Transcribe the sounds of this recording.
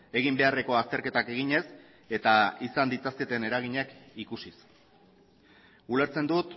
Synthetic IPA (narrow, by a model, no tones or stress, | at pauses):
e̞ɣ̞imbe̞are̞ko̞ast̪e̞ɾke̞t̪ake̞ɣiɲe̞s | e̞t̪aisand̪it͡sasket̪e̞ne̞ɾaɣ̞iɲakikusis | uleɾt͡se̞nd̪ut̪